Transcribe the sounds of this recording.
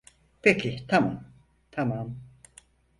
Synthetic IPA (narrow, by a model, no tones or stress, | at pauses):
pʰecʰit̪ʰamam | t̪ʰamam